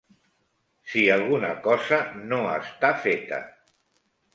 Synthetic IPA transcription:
sialˠɣunakɔzanoəst̪afet̪a̰

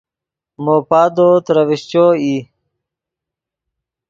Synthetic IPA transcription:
moːpaːd̪oːt̪ɾəʋiɕt͡ɕoːiː

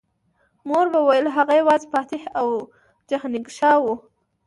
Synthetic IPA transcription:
moɾbəwajəlɦaɣajawɑzepɑt̪ehaw | d͡ʒahnɪɡʃɑwu

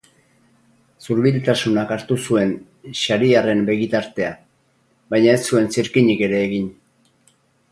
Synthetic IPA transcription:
suɾβilt̪asunakaɾt̪usue̞n | ʃaɾiare̞mbe̞ɣit̪aɾt̪e̞a | βajɲae̞sue̞nsiɾkiɲike̞ɾe̞ːɣiɲ

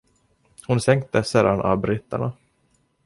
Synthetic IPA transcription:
hʊnsɛŋk̚t̪əsɛːɾd̪ana̰bɾɪt̪ːa̰ɳa

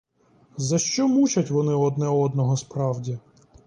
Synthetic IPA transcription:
zɐʃt͡ʃɔmut͡ʃɐtʲʋɔnɪɔd̪nɛɔd̪nɔɦɔspɾɑwdʲi

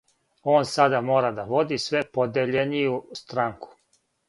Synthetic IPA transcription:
o̞ːnsad̪amo̞ːɾad̪aʋo̞d̪isʋe̞po̞d̪eʎenijust̪ɾaŋku̥

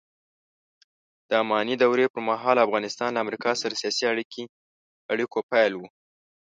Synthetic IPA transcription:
d̪̥əamɑnid̪awɾepəɾmaɦɑlafɣɑnɪst̪ɑnlaːmɾikɑsaɾasijɑsiaɽikʰi | aɽikopajlwu

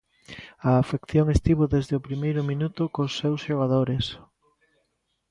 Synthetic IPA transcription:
ɐːfekθjoŋest̪iβʊðezðɪʊpɾimejɾʊmĩnut̪ʊkosːewsʃeɣaðoɾes

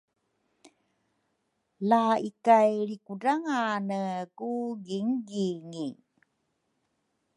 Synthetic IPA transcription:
laikajɭikudaŋanəkuɡiŋɡiŋi

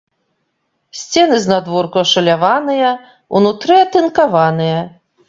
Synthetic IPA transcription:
sʲt͡sʲɛnɨznad̪vɔrkuɐʂɐlʲavanɨjɐ | ṵnut̪ɾɨɐt̪ɨnkavanɨjɐ

